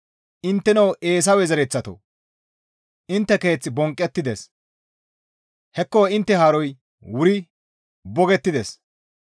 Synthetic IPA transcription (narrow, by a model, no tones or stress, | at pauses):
ʔɪnt̪ːɛnɐwʔe̞ːs̬ɐwɛzɛɾɛt͡sːɐt̪o̰ | ʔɪnt̪ːɛke̞ːt͡sːɪbɔŋkʼːɛt̪ːɪd̪es | hɛkːoɪnt̪ːɛɦaːɾɔj | wʊɾɪ | bɔɡɛt̪ːɪd̪es